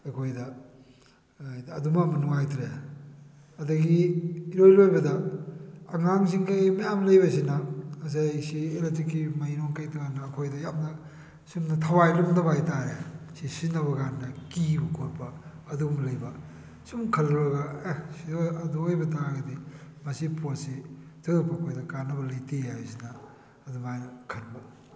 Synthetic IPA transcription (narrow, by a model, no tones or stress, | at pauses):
ɐkʰojdɐ | ɐdumɐmɐnuŋajtɾe | ɐdɐɡiiɾojlojbɐdɐː | ŋaŋs̬iŋkajmɐjamlɐjbɐsinɐɐsajsieletɾikːimɐinoŋkajtuɡanɐːkʰojdɐjamnɐ | simnɐtʰɐwajlumnɐbajtaɾesisinɐβɐɡandɐkibɐkʰoɾpɐː | dumlɐjbɐ | sumkʰɐlɾɐɡɐsiɐduojbɐtaɡɐdimɐsipositʰɯpɐːkʰojdɐkanːɐbɐlɐjtiajsinɐː | dumajkʰɐnbɐ